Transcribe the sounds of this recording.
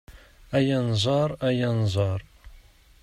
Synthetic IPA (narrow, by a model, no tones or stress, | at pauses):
æjænzˤɑɾˤæjænzˤɑɾˤ